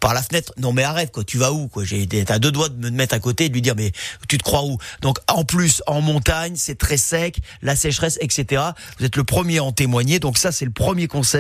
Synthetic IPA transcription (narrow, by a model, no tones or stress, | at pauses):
paʁlafənɛt̪χnɔ̃mɛaʁɛvkwɔt̪yvaukwaʒet̪ad̪ød̪wad̪əməmɛt̪χakot̪ed̪əlɥid̪iʁmɛt̪yt̪ə̥kχwaud̪ɔ̃kɑ̃plysɑ̃mɔ̃t̪aɲsɛt̪χɛsɛklasɛʃχɛsɛkset̪eʁa | vuzɛt̪ləpχəmjeɑ̃t̪emwaɲed̪ɔ̃ksasɛləpχəmjekɔ̃sɛ